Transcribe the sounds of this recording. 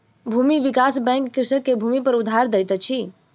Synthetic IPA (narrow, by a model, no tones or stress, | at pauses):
bʱumiʋikasbɛ̃ŋkːɾisəkːebʱumipəɾud̪ʱːaɾd̪ɛjt̪ət͡ʃʰi